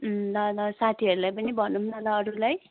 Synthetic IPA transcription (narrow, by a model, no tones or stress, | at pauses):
lʌlʌsat̪ʰiʌɾulajpʌnibʱʌnumnʌlaːɾulaj